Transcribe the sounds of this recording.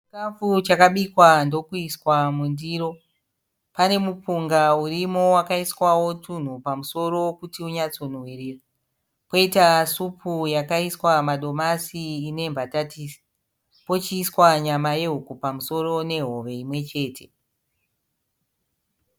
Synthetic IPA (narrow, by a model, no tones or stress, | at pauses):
t͡ʃt͡ʃikafut͡ʃakaɓikwando̞kuiswamundiːɾo̞ | pane̞mupuŋɡaurimo̞wakaiswawo̞tʰun̤upamuso̞ɾo̞kutiuɲat͡so̞nwiriːra | po̞itasupʰujakaiswamaɗo̞masiːne̞mbʱatatisi̥ | po̞t͡ʃiːswaɲamaje̞ɦukupamuso̞ro̞ne̞ɦo̞ʋe̞imwe̞t͡ʃe̞ːtʰe̞